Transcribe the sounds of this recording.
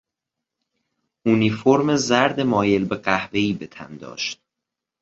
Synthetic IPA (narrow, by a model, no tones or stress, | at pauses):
unifoɾmezæɾd̪emɒːje̞lbe̞ɢæhve̞iːbet̪ʰæ̰nd̪ɒ̰ːʃt̪̚